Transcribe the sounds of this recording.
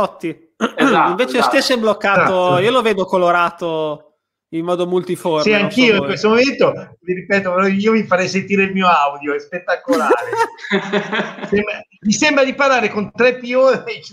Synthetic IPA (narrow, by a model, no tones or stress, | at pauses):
ɔt̪ːi | iɱveːt͡ʃeost̪esːoɛbːlokːaːt̪oiːoloveːd̪okoloɾaːt̪o | imːɔːd̪omult̪iforsiaŋkiːoikkwest̪omoment̪oviɾipɛːt̪opɾɔiːovifaɾɛjsent̪iːɾeilmiːoawd̪joɛspet̪ːakolaːɾe | sembɾamisembɾad̪ipaɾlaːɾekont̪ɾɛpːioːi